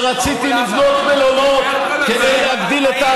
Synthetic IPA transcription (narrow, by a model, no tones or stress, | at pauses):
ʁat͡sit̪ilivno̞kbelomot̪ | ked̪ejleɦaɡd̪ilet̪a